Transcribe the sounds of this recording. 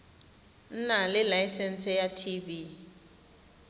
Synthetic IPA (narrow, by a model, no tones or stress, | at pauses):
n̩nalɪlajsɛnt͡sʼɛjatʰivi